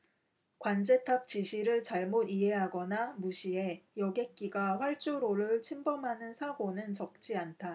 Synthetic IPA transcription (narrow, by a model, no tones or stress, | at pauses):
kwand͡ʑe̞tʰʌp̚t͡ɕiɕʰiɾɯɭt͡ɕaɭmodiɦe̞ɦaɡʌnamuɕʰie̞jʌɡe̞k͈iɡaɸwaɭt͡ɕ͈uɾoɾɯɭt͡ɕʰimbʌmɦanɯnsʰaɡonɯnt͡ɕʌk̚t͡ɕ͈iantʰa